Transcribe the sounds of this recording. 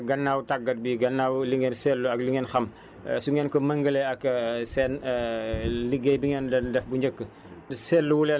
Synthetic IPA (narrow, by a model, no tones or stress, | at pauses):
ɡɐnːaːwtaɡːɐt̚biɡɐnːaːwliŋɛnsɛlːuɐkliŋɛnxɐm̰ | suŋɛːnkɔmɐŋɡəlɛɐksɛːn | liɡejbiŋɛːndɐndɛfbuɲəkːə | sɛlːuwulɛ